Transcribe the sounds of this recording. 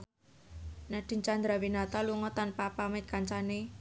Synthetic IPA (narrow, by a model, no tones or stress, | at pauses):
naɖ̪̥i̤nt͡ʃand̪ɾawinat̪aluŋɔt̪anpapamɪt̪̚kaɲt͡ʃane